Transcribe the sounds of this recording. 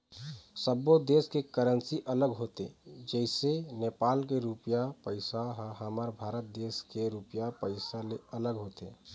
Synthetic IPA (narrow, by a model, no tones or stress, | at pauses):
səbod̪eːskekəɾənsiʔələɡɦoːt̪ḛd͡ʒɛɪsenepaːlk̬eɾupjapəɪsaɦɦəmaɾbʱaːɾət̪̚d̪eːskeɾupjapəɪsaleələɡɦoːt̪ḛ